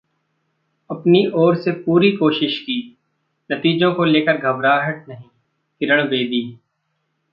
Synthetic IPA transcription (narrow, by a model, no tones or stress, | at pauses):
ɐpniʔɔːɾsepuːɾikoːʃɪʃkiː | nɐt̪iːd͡ʒõkoleːkəɾɡʱɐbɾaːɦəʈ̚nɐɦĩː | k̪ɪɾəɽ̃ʋeːd̪iː